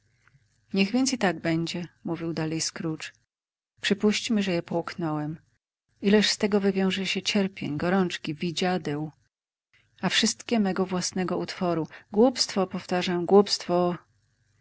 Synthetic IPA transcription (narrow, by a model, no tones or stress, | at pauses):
ɲɛɣvʲjɛnt̪sit̪aɡ̚bɛɲd͡ʑɛmuvʲiwd̪alɛjskɾut͡ʂ | pʂɘpuɕt͡ɕmɘʐɛjɛpɔuknɔwɛm | ilɛʂst̪ɛɡɔvɘvʲjɔ̃w̃ʐɛɕɛt͡ɕɛɾpʲjḛɲɡɔɾɔnt͡ʂkʲivʲid͡ʑad̪ɛw | afʂɘst̪kʲɛmɛɡɔvwasnɛɡɔut̪fɔɾuɡwupst̪fɔpɔft̪aʐamɡwupst̪fɔ